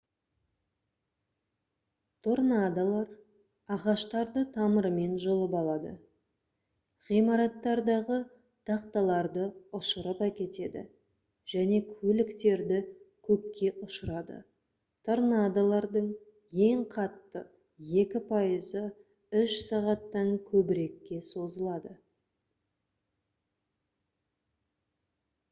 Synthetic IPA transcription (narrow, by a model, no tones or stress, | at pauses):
t̪ʰoɾnad̪alˠɑɾ | ɑʁɑʃt̪ɑɾd̪ət̪ʰɑməɾəme̞nʒolˠəpɑlˠɑd̪ə̰ | ʁijmɑɾɑt̪ːɑɾd̪ɑʁə | t̪ʰɑqt̪ɑlˠɑɾd̪əʊʃəɾəpækʲe̞t̪e̞d̪ɪ̰ | ʒ̥æne̞kʲʰɵlɪkt̪e̞ɾd̪ɪkʲʰɵkʲːe̞ʔʊʃəɾɑd̪ə̰ | t̪ʰoɾnɑd̪alˠɑɾd̪əɴ | je̞ɴqʰɑt̪ːə | je̞kʲɪpʰɑjəzə | ʏʃsɑʁɑt̪ːɑŋkʲʰɵbɪɾe̞kʲːe̞so̞zəlˠɑd̪ə